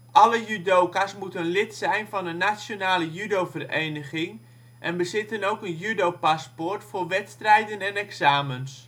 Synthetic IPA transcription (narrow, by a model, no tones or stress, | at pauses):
ʔɑləjydowkasmutənlɪtsɛjnvɑnənːasjonaːləjydowvərejnəχɪŋ | ʔɛnbəzɪtənowkənjydopaspʊrtfʊːrʋɛtstrɛjdənɛnɛksaːməns